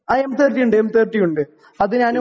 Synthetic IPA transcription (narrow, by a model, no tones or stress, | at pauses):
aemt̪ʰeːrʈːijuɳɖɨemt̪ʰeːrʈːijuɳɖɨ | ɐðɨɲaːn